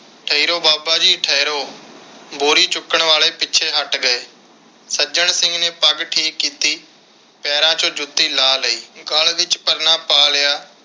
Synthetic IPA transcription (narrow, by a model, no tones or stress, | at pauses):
ʈʰəiːɾoːbaːbaːd͡ʒiːʈʰəiɾoː | boːɾiːt͡ʃʊkːəɳʋaːleːpɪːʃʰeːɦəʈɡəeː | səd͡ʒəɳsɪ̃ŋɡneːpəɡʈʰːiːkːiːt̪iː | pɛːɾãːt͡ʃõːd͡ʒʊt̪ːiːlaːləiːɡəlʋɪt͡ʃpəɾnaːpaːljaː